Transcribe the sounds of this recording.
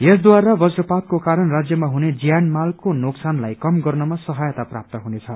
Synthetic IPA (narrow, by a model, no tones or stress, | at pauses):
esd̪waɾabʌsɾʌpat̪̚kokaɾʌnrad͡zjʌmaɦuned͡zijanmalkonoksanlajkʌmɡʌrnʌmasʌɦajʌt̪apra̰p̚t̪ʌɦunet͡sʰʌ